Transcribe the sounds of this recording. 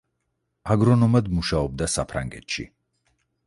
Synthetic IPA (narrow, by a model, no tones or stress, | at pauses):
aɡɾɔnɔmad̪muʃaɔb̚d̪asapʰɾa̰ŋɡɛt̪ʃḭ